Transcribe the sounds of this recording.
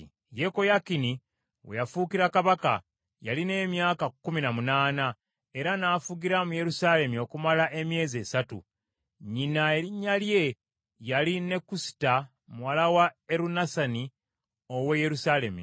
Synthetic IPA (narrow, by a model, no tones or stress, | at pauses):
jeko̞jakini | we̞̰jafukiɾakaβaka̰ | jaline̞ːmjaːkakːuminamunaːna | e̞ɾanaːfuɡiɾamuje̞ɾusale̞mio̞kumalaʔe̞mje̞ːze̞ːsatṵ | ɲinaeiɲːalje̞ | jaline̞kusi̥ta | muwalawaeɾunasani | oweje̞ɾusale̞mḭ